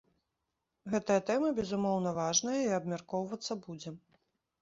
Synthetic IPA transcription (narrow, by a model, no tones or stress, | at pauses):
ɣɛt̪ɐjɐt̪ɛmɐbʲɛzumɔwnɐvaʐnɐjɐiɐbmʲarkɔwvɐt̪sːɐbud͡zʲɛ